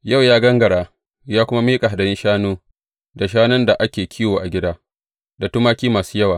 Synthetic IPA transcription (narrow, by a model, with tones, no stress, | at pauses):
ja˦˨wjaː˦ɡɐ˦ŋɡɐ˨ɽaː˦ | jaː˦kʷʊ˦ma˦miː˦kʼa˨a˨da˨ɪ˦nʃaː˦noː˦ | da˨ʃ̬aː˦nʊ˦nda˨ʔa˦kʲeː˨kʲʰiː˦woː˨ʔa˨ɡʲɪ˦daː˦ | da˨tʊ˦maː˦kʲiː˦maː˨su̥ː˦jɐ˦waː˨